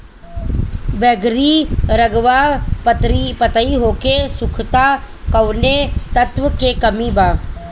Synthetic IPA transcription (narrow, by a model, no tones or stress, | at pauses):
bɛɡɾiɾəɡʋapt̪ipɐt̪aiɦoːkesʊkʰt̪a | kɐwnet̪ɐt̪ʋəkekɐmibaː